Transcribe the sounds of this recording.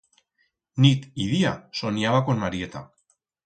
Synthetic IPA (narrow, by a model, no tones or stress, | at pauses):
nit̪iðiaso̞niaβakonmaɾie̞t̪a̰